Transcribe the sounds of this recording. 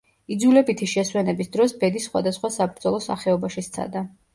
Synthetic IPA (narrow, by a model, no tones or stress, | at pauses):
id̪zulɛbit̪ʰiʃɛswɛnɛbisd̪ɾɔsbɛd̪isχwa̰d̪asχwasabɾd̪zɔlˠɔsa̰χɛɔbaʃist̪sʰa̰d̪a